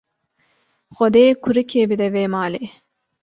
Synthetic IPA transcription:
xɔd̪eːkʰuɾɨkʰeːbid̪ɛveːmɑːleː

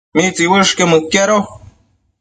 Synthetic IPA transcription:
mit͡siwɨʂkemɨkːeɾo

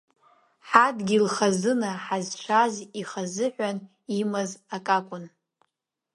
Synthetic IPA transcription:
ħadɡʲilχazɨnaħazt͡ʃʷʰaziχazɨħʷᶣan | imazakʼakʷʼʊn

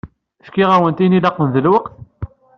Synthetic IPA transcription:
fkiʁæwənt̪inilɑqːənðəlwəqθ

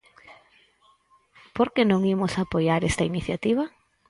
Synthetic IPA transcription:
poɾkenõŋimʊsapojaɾest̪ɐiniθjat̪iβɐ

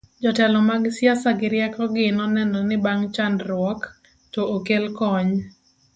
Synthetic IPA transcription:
d͡ʒɔtɛlɔmaɡɪsjasaɡɪɾɪjɛkɔɡɪnɔnɛnɔnɪbaŋt͡ʃandɾwɔk | tɔʔokelkɔɲ

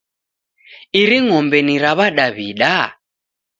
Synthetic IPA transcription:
iɾiŋɔmbɛniɾaβaɗaβiɗa

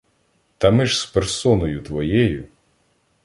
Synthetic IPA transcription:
t̪ɐmɪʒspersɔnɔjʊt̪ʋɔjɛjʊ

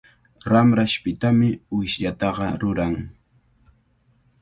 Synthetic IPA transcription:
ɾamɾaʃpɪt̪amɪwɪʃʎat̪ɑɢɑɾʊɾaŋ

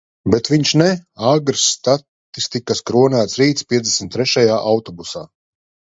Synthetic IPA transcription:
bɛt̪viɲʃnɛaɡɾsːt̪at̪ː | ist̪ikaskɾuɔnæːt̪sɾiːt̪spʲiɛzd̪esmʲt̪ːɾɛʃajaːʔawt̪ɔbusaː

